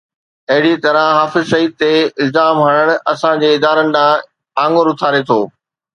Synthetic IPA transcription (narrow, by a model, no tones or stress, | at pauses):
ɐɦɪɽit̪ɐɾə̃ɦaːfɪzʃɐɦiːd̪̚t̪eɪlzaːmɦɐɽ̃əɽ̃ɐsãd͡ʑeːɪd̪aːɾənɪ̆ɗ̪ãː | ãːŋɡoɾʊt̪ʰaːɾet̪ʰoː